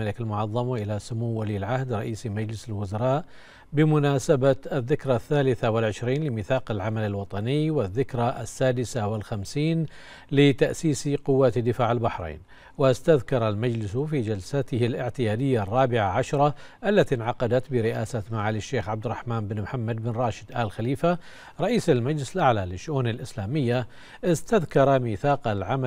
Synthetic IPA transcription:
alɪkalmʊʕɑðˤːɑmʔɪlasʊmuːaliːlʕahd̪ɾˤɑʔiːsmad͡ʒlɪsɪlwʊzɑɾˤɑːʔ | bɪmʊnaːsabaaðːɪkɾˤɑθːaːlɪθawɪlʕɪʃɾiːnlɪmɪθɑːqɪlʕamalalwɑt̪ˤɑnɪjwɪðːɪkɾˤɑasːaːd̪ɪsawɪlxamsiːn | lɪt̪aʔsiːsqʊwːaːt̪d̪ɪfaːʕɪlbaħɾˤḛːn | wɪst̪aðkɑɾˤalmad͡ʒlɪsfiːd͡ʒalsat̪ɪhɪlʔɪʕt̪ɪjaːd̪ɪjːarˤːɑːbɪʕaʕaʃɾˤɑ | ʔalːat̪inʕɑqɑd̪at̪bɪɾɪʔaːsat̪maʕaːlɪʃːeːxʕab̚d̪ɪrˤɑħmaːnbɪnmħamːad̪̚bɪnɾˤɑːʃɪ̥d̪ʔaːlxaliːfa | ɾˤɑʔiːsalmad͡ʒlɪsɪlʔaʕlalɪʃːʊʔuːnalʔɪslaːmɪjːa | ʔɪst̪aðkɑɾˤɑmiːθɑːqalʕama

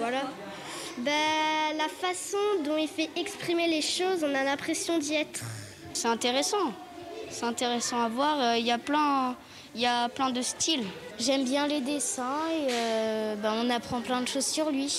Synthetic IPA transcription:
vwala | balafasɔ̃d̪ɔ̃ilfɛʔɛkspχimeleʃozɔ̃nalɛ̃pχesjɔ̃d̪iɛt̪χ | sɛɛ̃t̪eʁesɑ̃ | sɛɛ̃t̪eʁɛsɑ̃avwaʁøiljaplɛ̃ | iljaplɛ̃d̪əst̪ilʒɛmbjɛ̃led̪esɛ̃eøbaɔ̃napχɑ̃plɛ̃d̪əʃozsyʁlɥi

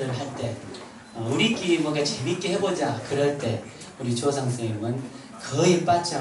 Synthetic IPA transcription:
ɯɭɦaɭt͈e̞ | ʌuɾik͈iɾimoɡet͡ɕemit̚k͈eɦe̞bod͡ʑakɯɾʌɭt͈e̞ | uɾit͡ɕosʰaŋsʰemɯn | kʌip͈at͡ɕ͈a

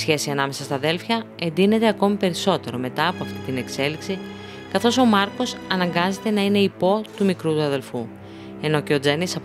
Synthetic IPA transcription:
sçe̞siɐnɐme̞sɐst̪ɐðe̞lfçɐ | e̞nd̪ine̞t̪e̞ɐko̞mipe̞ɾiso̞t̪e̞ɾo̞me̞t̪ɐːpo̞ɐft̪it̪ine̞kse̞liksi | kɐθo̞so̞mɐɾko̞sɐnɐŋɡɐze̞t̪e̞nɐine̞ipo̞t̪umikɾut̪uɐðe̞lfu | e̞no̞ce̞o̞d͡zenisɐ

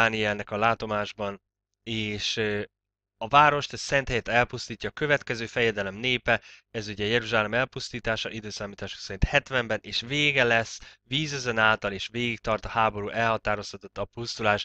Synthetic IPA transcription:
aːniɛlnɛkɒlaːt̪o̞maːʒbɒn | eːʃ | ɒvaːɾo̞ʃt̪ɛsɛnt̪hɛjɛt̪ɛlpust̪iːcːɒːkø̞vɛt̪kɛzøːfɛjɛd̪ɛlɛmneːpɛɛzuɟɛjɛɾuʒaːlɛmɛlpust̪iːt̪aːʃɒʔid̪øːsaːmiːt̪aːʃu̥ksɛɾint̪hɛt̪vɛmbɛnʔeːʃveːɡɛlɛsːviːzøzɛnaːlt̪ɒleːʃveːɡik̚t̪ɒrt̪ɒhaːbo̞ɾuːʔɛlhɒt̪aːɾo̞st̪ɒt̪o̞t̪ːɒpust̪ulaːʃ

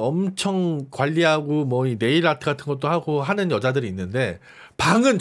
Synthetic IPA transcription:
ʌmt͡ɕʰʌŋkwaʎːiɦaɡomwʌine̞iɾatʰɯɡatʰɯnɡʌt̚t͈oɦaɡoɦanɯnjʌd͡ʑadɯɾiːnːɯnde̞ | paŋɯnt͡ɕ

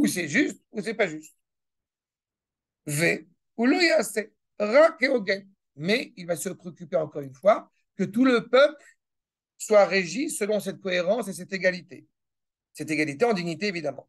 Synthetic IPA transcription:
usɛʒyst̪usɛpaʒyst̪̚ | ve | uluiase | ʁãkeoɡɛ̃ | mɛilvasəpχeɔkʲypeɑ̃kɔʁynfwa | kət̪uləpœpl | swaʁeʒisəlɔ̃sɛt̪̚kɔeʁɑ̃sesɛt̪eɡalit̪e | sɛt̪eɡalit̪eɑ̃d̪iɲit̪eːvid̪amɑ̰̃

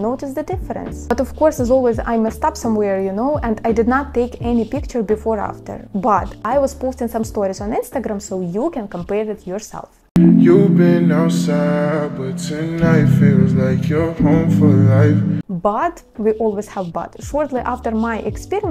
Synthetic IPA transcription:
noʊtɨsðɨdɪfəɾə̰̃nsb̥ʌtɔv̥kɔɹsɨzɔlˠwiza̰ɪmɨstɑpsʌ̃mwɛɹjɨnoʊʔɛ̃ndajdɨdⁿnətʰːeɪkɛnipɪk̚t͡ʃə˞bɨfɔɹæ̰ftə̰˞bʌtajwʌz̥poʊstɪ̃ŋsʌ̃mstɔɹizə̃nɪ̃nstɨɡɹæ̃msoʊjukɛ̃nkə̃mpɛɹɪtjɔ˞sɛ̰lˠf | jubɪ̃nːaʊsabʌtsɪ̃nlaɪfɪt̚wʌzlaɪkʰjə˞hõʊ̃ɱfə˞laɪfbʌt | wiʔɔlˠwiz̥hævbʌ̰tʃɔɹtˡliʔæftə˞maɪʔɛkspiɹi

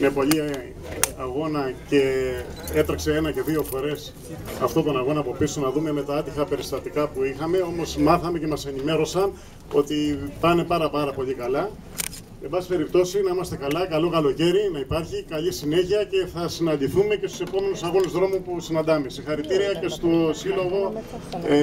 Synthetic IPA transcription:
nepo̞ʎi | ɐɣo̞nɐce̞ | e̞t̪ɾɐkse̞e̞nɐce̞ðio̞fo̞ɾe̞s | ɐft̪o̞t̪o̞nɐɣo̞nɐpopisonɐðume̞me̞t̪ɐɐt̪ixɐpe̞ɾist̪ɐt̪ikɐpuixɐme̞o̞mo̞smɐθɐme̞ce̞mɐse̞nime̞ɾo̞sɐn | o̞t̪ipɐne̞pɐɾɐpɐɾɐpo̞ʎikɐlɐ | embɐsi̥pe̞ɾip̚t̪o̞sinɐimɐst̪e̞kɐlɐkɐlo̞kɐlo̞ce̞ɾinɐipɐɾçikɐʎisine̞çiɐce̞θɐsinɐnd̪iθume̞cest̪u̥se̞po̞me̞nusɐɣo̞nuzðɾo̞mupusinɐnd̪ɐmesixɐɾit̪iɾiɐce̞st̪osilo̞ɣo̞

